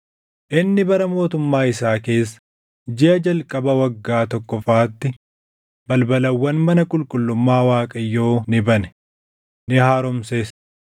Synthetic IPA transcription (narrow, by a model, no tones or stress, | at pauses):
ʔɪnːɪbɐɾɐmo̞ːt̪ʊmːaːɪsaːke̞ːsːɐ̥ | d͡ʒɪʔɐd͡ʒɐlkʼɐbɐwɐɡːaːt̪ɔkːɔfaːt̪ːɪ | bɐlbɐlɐwːɐnmɐnɐkʼʊlkʼʊlːʊmːaːwaːkʼɐjːoːnɪbɐnɛ̥ | nɪhaːɾʊmseːs